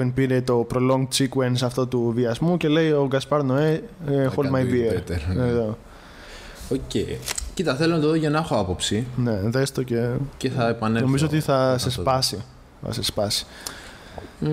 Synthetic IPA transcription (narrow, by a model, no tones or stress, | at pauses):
enpiɾet̪o̞pɾo̞lo̞ŋɡt͡sikwensɐft̪ot̪uviɐzmuce̞le̞jo̞ɡɐspɐɾnoefolmɐjvieɾt̪eɾeðo | ocejcit̪ɐθelonɐt̪oðoʝɐnɐexo̞ɐpo̞psine̞ðest̪oceceθɐepɐneno̞mizoot̪iθɐsespɐsi | θɐ̰sespɐsi̥